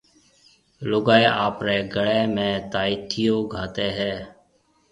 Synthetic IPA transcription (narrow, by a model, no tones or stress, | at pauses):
loɡaːeːʔaːpɾeːɡəɽɛːmẽːt̪aːiːt̪ʰɪjoːɡʱaːt̪eːɦɛː